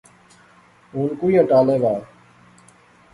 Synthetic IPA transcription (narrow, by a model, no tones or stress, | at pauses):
uːnkuːiaʈaːleːʋaː